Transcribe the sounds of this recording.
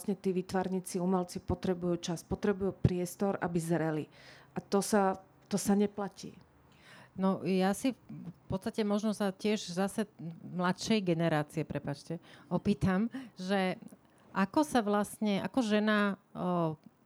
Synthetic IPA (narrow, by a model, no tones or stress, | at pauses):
sɲɛt̪iːʋiːt̪ʋaɾɲiːt͡siumɛlt͡sipɔt̪ɾɛbujuːt͡ʃaspɔt̪ɾɛbujuːpɾɪɛst̪ɔɾʔa̰bizɾɛliʔat̪ɔsa | t̪ɔsaɲɛplacḭː | nɔjasifpɔt̪st̪acɛmɔʒnɔsacɪɛʒzasɛmlat̪ʃɛjɡɛnɛɾaːt͡siɛpɾɛpat͡ʃcɛɔpiːt̪amʒɛ | ʔakɔsaʋlasɲɛʔa̰kɔʒɛna